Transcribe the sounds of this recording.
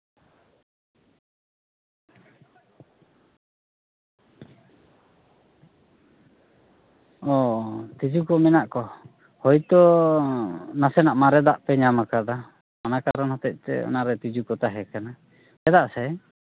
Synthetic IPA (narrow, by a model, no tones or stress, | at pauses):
ɔt̪id͡ʒukɔmɛnaʔkɔ | hɔjt̪ɔ | nasɛnaʔmaɾɛd̪aʔpɛɲamakad̪a | manakaɾɔnhɔt̪ɛc̚ˀt̪ɛ̰ɔ̰naɾɛt̪id͡ʒukɔt̪aɦɛkana | ɛd̪aʔsɛ